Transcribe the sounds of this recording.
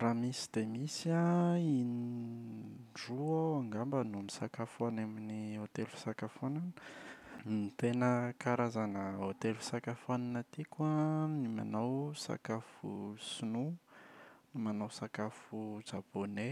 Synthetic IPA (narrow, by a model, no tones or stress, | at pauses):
ramisi̥d̪̥emisiaini | ɖ͡ʐuaaŋɡambənumisakafanaminiɦot̪elfi̥sakafonan | mit̪enəkaɾazanəɦot̪elfi̥sakafananat̪ikwanima̰nawsa̰kafṵsinu | manawsakafud͡ʒabone